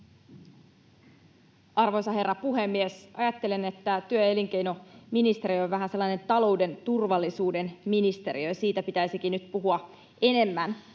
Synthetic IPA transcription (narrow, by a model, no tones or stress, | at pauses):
ɑrʋo̞jsɑɦe̞rːɑpuɦe̞mːiesɑjɑt̪ːe̞lene̞t̪ːæt̪yøe̞liŋk̟e̞jno̞minist̪e̞ɾioʋʋæɦænselːɑine̞nt̪ɑlo̞wde̞nt̪urʋɑlːisuːde̞nminist̪e̞ɾiøjɑsiːt̪æpit̪æjsikinyt̪puɦuɑ | e̞ne̞mːæn